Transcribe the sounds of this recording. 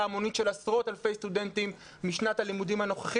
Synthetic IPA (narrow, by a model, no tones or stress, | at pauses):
aːmo̞nitʃe̞lasʁo̞talfe̞jst̪ude̞ntimː | iʃnathalimudimhano̞χaχ